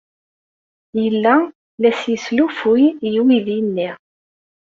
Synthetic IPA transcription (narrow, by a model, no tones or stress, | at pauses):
jəlːæ | læsjəslufujjwiðinːiʁ